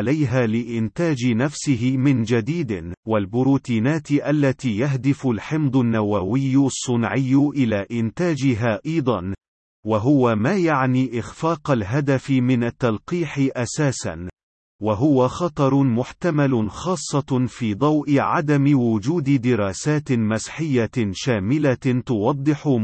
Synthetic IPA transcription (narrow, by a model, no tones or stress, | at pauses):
lajɦaːlɪʔɪnt̪aːd͡ʒɪnafsɪɦɪmɪnd͡ʒad̪iːd̪ɪwalbʊɾuːt̪iːnaːt̪ɪʔalːat̪iːjaɦd̪ɪfʊlħɪmd̪ˤʊnːawawɪjːsˤːʊnʕɪjːʊʔɪlaːʔɪnt̪aːd͡ʒɪɦaːʔɑjd̪ˤɑn | waɦʊwamaːjaʕniːʔɪxfaːqalɦad̪afɪmɪnat̪ːalqiːħɪʔasaːsa̰n | waɦʊwaxɑt̪ˤɑɾˤmʊħt̪amalʊxɑːsˤːɑfiːd̪ˤɑwʔɪʕa̰d̪amɪwʊd͡ʒuːd̪ɪd̪ɪɾaːsaːt̪masħɪjːaʃaːmɪlat̪ʊwɑd̪ˤːɨħʊ